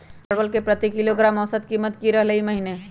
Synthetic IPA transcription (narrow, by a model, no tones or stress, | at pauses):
əɾbəlkepɾət̪ikiloɡɾaːmɔsət̪̚kiːmːət̪kiɾɐɦleimɐɦine